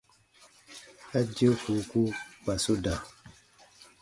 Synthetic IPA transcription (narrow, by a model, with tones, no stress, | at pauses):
a˦d͡ʒi˦o˦ku˨ku˦k͡pa˨so˦da˨